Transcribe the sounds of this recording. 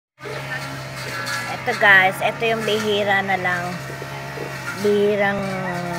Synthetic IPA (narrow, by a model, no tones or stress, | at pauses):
ʔɛt̪oɡajsʔɛt̪ojʊŋlɪɦiːɾanɐlaŋ | bihiːɾaŋ